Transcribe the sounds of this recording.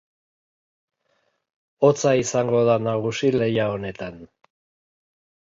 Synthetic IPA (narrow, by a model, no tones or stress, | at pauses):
o̞t͡saisaŋɡo̞ðanaɣ̞usile̞jao̞ne̞t̪an